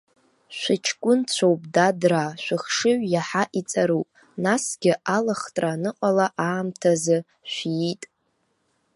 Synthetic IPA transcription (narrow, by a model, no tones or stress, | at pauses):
ʃʷɪt͡ʃʰkʷʼʊnt͡ɕʷʰowpʼdadraʃʷᶣɨχʂɨʕʷjaħaʔit͡sʼaɾupʼ | nasɡʲɪʔalaχtʼranɨqʼalaʔaːmtʰazɨ | ʃʷitʼ